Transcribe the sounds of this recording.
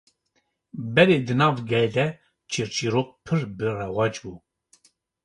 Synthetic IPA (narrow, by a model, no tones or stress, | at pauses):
bɛɾed̪ɨnɑːvɡɛld̪ɛ | t͡ʃʰiɾt͡ʃʰiɾok̚pʰɨɾbɨrɛwɑːd͡ʒbu